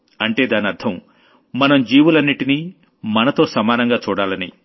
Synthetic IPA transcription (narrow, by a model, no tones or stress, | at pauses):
ɐɳʈe̞ːd̪aːniɐɾd̪ʱʰɐm | mɐnɐmd͡ʒiːʋulɐnːiʈini | mɐnɐt̪o̞ːsɐmaːnɐŋɡaːt͡ʃuːɽaːlɐnḭ